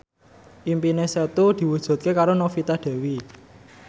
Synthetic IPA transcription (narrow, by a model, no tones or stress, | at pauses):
ʔimpineset̪ud̪̥i̤wud̥ʒ̥ṳt̪̚kekaɾonofit̪ad̪̥e̤wi